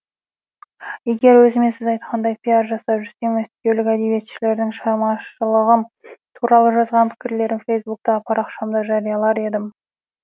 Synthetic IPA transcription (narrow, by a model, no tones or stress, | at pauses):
je̞ɡʲe̞ɾwɵzɪme̞sɪzɑjt̪qʰɑnd̪ɑjpʲʰijɑɾʒɑsɑʒʏzt̪e̞ŋæsk̪ʲelɪkʲæd̪e̞be̞t̪ʃɪle̞ɾd̪ɪŋʃɑɾmɑʃəlˠəʁəmt̪ʰuɾɑlˠəʒɑzʁɑnpʰɪ̥kʲɪɾle̞ɾɪŋfejsbuk̚t̪ɑpʰɑɾɑqʃɑmd̪ɑʒɑɾijɑlˠɑɾe̞d̪ɪm